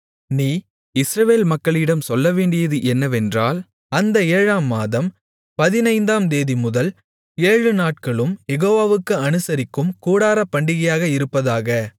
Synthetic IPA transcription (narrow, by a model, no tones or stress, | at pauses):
niː | ɪsɾɐʋeːlmɐkːɐɭɪɽɐmsɔlːɐʋeːɳɖɪjɐðɯʔɛnːɐʋɛndraːl | ɐnd̪ɐeːɻaːmːaːðɐm | pɐðɪnɐɪnd̪aːmd̪eːðimʊðɐl | eːɻɯnaːʈkɐɭɯmjɛɣoːʋaːʋɯkːɯɐnɯsɐɾɪkːɯmkuːɽaːɾɐpːɐɳɖɪɣɐjaːɣɐɪɾɯpːɐðaːɣɐ